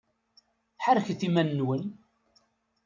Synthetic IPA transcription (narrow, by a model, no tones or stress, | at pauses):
ħaɾçθimænːwən